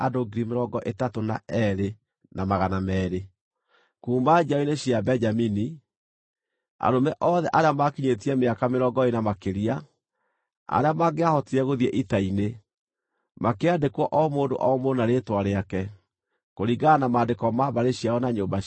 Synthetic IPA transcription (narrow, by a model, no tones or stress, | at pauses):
adoɡiɾimeɾɔɡɔʔetatona̰ɛɾe | namaɣanamɛːɾe | kuːmbad͡ʒaineɕiabɛɲd͡ʒamini | a̰ɾomɛʔɔðɛʔaɾeamakiɲetiɛmeakameɾɔɡɔenamakeɾia | a̰ɾeamaɡeahɔtiɾɛɣoðɛʔitaine | makeadekwɔʔɔmoːndo̰ʔɔmonaɾetwaɾeakɛ | koɾiɡanamaːndekɔmaβaɾeɕiaɔnaɲoːba